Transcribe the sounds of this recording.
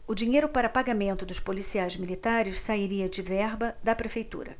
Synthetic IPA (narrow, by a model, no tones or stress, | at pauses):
ʊd͡ʒiɲejɾʊpaɾɐpaɡamẽnt̪ʊd̪ʊʃpolisiajzmilit̪aɾɪʃsaiɾiɐd͡ʒɪvɛɾbɐd̪ɐpɾefejt̪ṵɾɐ̰